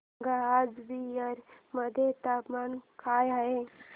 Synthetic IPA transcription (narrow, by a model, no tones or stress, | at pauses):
ɡaːd͡ʒbiəɾməd̪ʱjet̪apmankʰaːjɦəe